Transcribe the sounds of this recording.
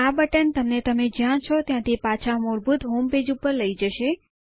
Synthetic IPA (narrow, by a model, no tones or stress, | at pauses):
abəʈənt̪əmnet̪əmed͡ʒãɽ̃t͡ʃʰɔt̪jãt̪ʰipat͡ʃʰamoɭbut̪ɦomped͡ʒupəɾləid͡ʒəʃe